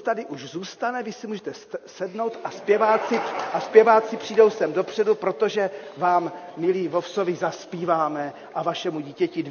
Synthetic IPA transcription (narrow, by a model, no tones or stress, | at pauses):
t̪adɪʔuʒzuːst̪anɛvɪsɛmuːʒɛt̪ɛssɛdno̞wt̪ʔaspjɛvaːt͡sɪʔaspjɛvaːt͡sɪpr̝̥iːdo̞wsɛmdo̞pr̥ɛdupɾo̞t̪o̞ʒɛvaːmːɪliːvo̞fso̞vɪzaspiːvaːmɛ | ʔavaʃɛmuɟiːcɛcɪd